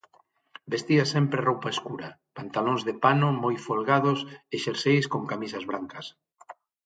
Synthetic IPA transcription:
best̪iasɛmpɾerowpaeskuɾɐpant̪alõŋzðepanʊmojfolɣaðʊseʃeɾsejskoŋkamisɐzβɾaŋkɐs

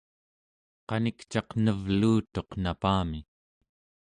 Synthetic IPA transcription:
qɑnikt͡ʃɑqnəvluːt̪o̞qnapaːmi

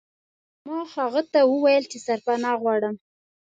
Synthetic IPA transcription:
mɑhaɣət̪awəwajəlt͡ʃesaɾpanɑɣwɑɽəm

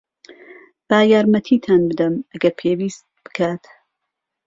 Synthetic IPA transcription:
b̥aːjaːɾmɐt̪ʰiːt̪ʰaːnbɨd̪ɐmɐɡɐɾpʰeːwiːst̪̚b̥ɨ̥kʰaːt̪

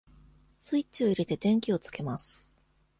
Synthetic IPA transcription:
sɨit͡ɕio̞iɾe̞t̪e̞t̪ẽ̞ŋkʲio̞t͡sɨ̥ke̞masɨ̥

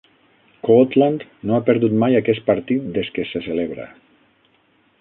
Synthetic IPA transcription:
kot̪land̪noapeɾðut̪majakɛs̚paɾt̪it̪̚d̪eskeseseleβɾa̰

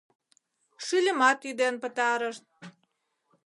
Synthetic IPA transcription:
ʃylʲə̆mɑt̪yd̪enpət̪ɑɾə̆ʃn

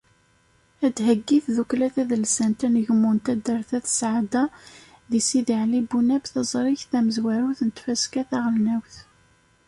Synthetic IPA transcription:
æd̪ɦəɡːiθðuklæθæðəlsænt̪ænəʝmːunt̪æd̪əɾθæθsʕd̪æ | ðisiðiʕlibunæbθɑzˤɾˤɪçθæməzwæɾuθnət̪fæskæθæʁəlnæwθ

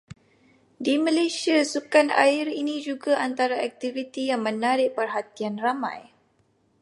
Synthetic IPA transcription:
dimə̃lajsiasukana̰ɪɾinĩd͡ʒuɡaʔant̪aɾaɛk̚t̪ivit̪ijaŋmə̃naɾɪʔpərɦat̪ianramã̰j

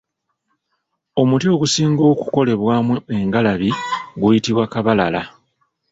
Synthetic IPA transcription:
o̞mutioɡusiːŋɡo̞ːku̥ko̞le̞βwaːmue̞ŋɡalaβiɡujitiβwakaβalala

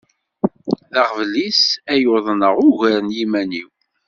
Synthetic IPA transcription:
ðɑʁvlisæjoðˤnəʁʊʝəɾənjimæniw

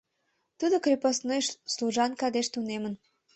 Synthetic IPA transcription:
t̪ud̪okrʲeposnojʃsluʒɑnkɑd̪eʃt̪unemən

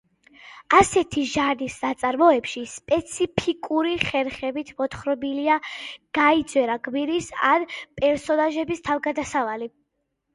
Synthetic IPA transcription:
asɛt̪ʰiʒaɾnisnat̪sʼaɾmɔɛpʃispʼɛt̪sʰipʰikʼuɾiχɛɾχɛbit̪ʰmɔt̪χɾɔbiliaɡ̥aid̪zʼwɛɾaɡʼbiɾisa̰npʼɛɾsɔnaʒɛbist̪ʰavɡad̪asavali

